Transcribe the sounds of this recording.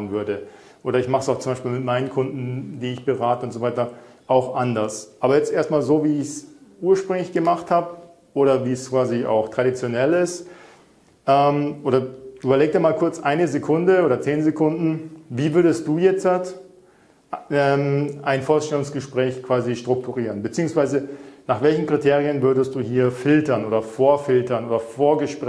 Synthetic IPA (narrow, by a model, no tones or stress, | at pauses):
nvʏɐdə | ʔoːɾɐɪçmaχsaʊxtt͡sʊmbaɪʃpiːlmɪtmaɪnənkʰʊndn̩diːɪçb̥əʁaːtəʊntz̥ovaɪtɐ | ʔaʊxʔandɐsʔaːbɐjɛt͡stʔeːɐstmaːlzoːviːɪçsʔuːɐʃpʁ̥ʏŋlɪçɡ̥əmaχthaːbə | ʔoːɾɐviːskv̥aːzia̰ʊxtʁ̥aɾit͡sjonɛlɪst | ʔɛːmʔoːdɾɐʔyːbɐleːɡ̚k̚d̥iːɐmaːlkʰʊɐt͡sʔaɪnəzekʰʊndəoːɾɐt͡seːnzekʰʊndn̩viːvʏɐdəst̚d̥uːjɛt͡sat | ɛmaɪnfoːɐsʃtɛlʊŋsɡ̥əʃpʁ̥ɛːçkv̥aːziʃtʁ̥ʊk̚tʰuʁiːʁənbət͡siːʊŋsv̥aɪzənaːχv̥ɛlçn̩kʁ̥itʰeːʁ̞iənvʏɐdəst̚d̥uːhiːɐfɪltɐnʔoːdɐfoːɐfɪltɐnʔoːdɐfoːɐɡəʃpʁ